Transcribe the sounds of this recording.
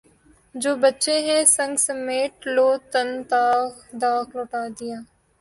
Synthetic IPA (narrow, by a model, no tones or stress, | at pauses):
d͡ʒoːbətːʃeːɦɛ̃sə̃ŋɡsəmeːʈloːt̪ənt̪aːd̪aːkloːʈaːd̪ɪjaː